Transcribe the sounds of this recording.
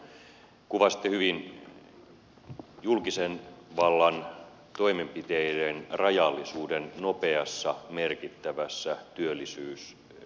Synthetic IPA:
kuʋɑsi̥t̪ːehyʋin | julkisenʋɑlːɑn | t̪o̞imempit̪eidenrɑjɑlːisuːdennopeɑsːɑmerkit̪ːæʋæsːæt̪yølːisyːs

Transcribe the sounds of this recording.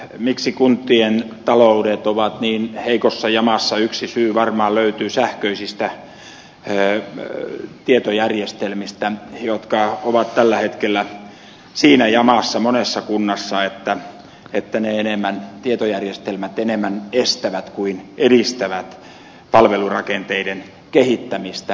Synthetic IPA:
miksikunt̪ːient̪ɑloudet̪oʋɑt̪niːnheikosːɑjɑmɑsːɑyksisyːʋɑrmɑːløyt̪yːsæhkøisist̪æ | t̪iet̪ojærjest̪elmist̪æjot̪kɑoʋɑt̪t̪ælːæhet̪kelːæ | siːnæjɑmɑsːɑmonesːɑkunːɑsːɑet̪ːæ | et̪ːæneenemːænt̪iet̪ojærjest̪elmæt̪enemːænest̪æʋæt̪kuineɾist̪æʋæt̪ | pɑlʋelurɑkent̪eiden | kehit̪ːæmist̪æ

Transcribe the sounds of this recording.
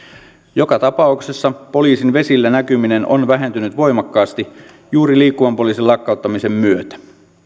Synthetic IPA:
jo̞kɑt̪ɑpɑukse̞sːɑpo̞liːsinʋe̞silːænækymine̞no̰nʋæɦe̞nt̪ynyt̪ʋo̞jmɑkːɑːst̪i | juːɾiliːkːuʋɑmpo̞liːsilɑkːɑˑut̪ːɑmise̞mːyøt̪æ̥

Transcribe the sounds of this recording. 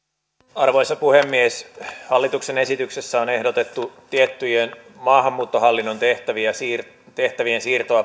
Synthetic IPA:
ɑrʋo̞jsːɑpuhe̞mːieshɑlːit̪ukse̞ne̞sit̪ykse̞sːæo̞ne̞hdot̪e̞t̪ːut̪iet̪ːyjenmɑːɦɑmːuːt̪ːo̞ɦɑlːinːo̞nt̪eht̪æʋiæs | t̪e̞ht̪æʋiensiːrt̪oɑ

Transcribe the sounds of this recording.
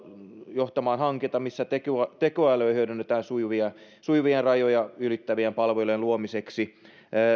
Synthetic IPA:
joht̪ɑmɑːnhɑŋket̪ɑmisːæt̪ekyɑt̪ekoæløːhyødynːet̪æːnsuiʋiɑ | suiʋienrɑjojɑylit̪ːæʋiempɑlʋelenluomiseksiː

